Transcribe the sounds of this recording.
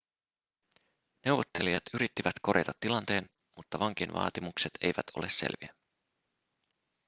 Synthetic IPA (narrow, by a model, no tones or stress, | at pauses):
ne̞wʋo̞t̪ːe̞lijɑt̪yɾit̪ːiʋæt̪ko̞ɾjet̪ɑt̪ːilɑnt̪e̞ːn | mut̪ːɑʋɑŋk̟inʋʔɑ̰ːt̪imukset̪ʰe̞̰jʋæt̪ʰolessḛlʋiæ